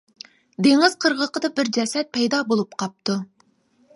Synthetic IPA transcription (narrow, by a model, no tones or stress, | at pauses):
d̪eŋɪz̥qʰəɾʁəqʰəd̪ɑbɪɾd͡ʒɛsɛt̪̚pʰɛjd̪ɑbolˠup̚qʰɑp̚t̪ʰu